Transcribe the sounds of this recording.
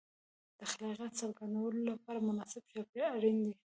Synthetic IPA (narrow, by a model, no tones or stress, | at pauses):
d̪̥əxalɑɣjat̪saɾɡand̪awəlolapɑɾamʊnɑsɪbʃɑpeaɾind̪i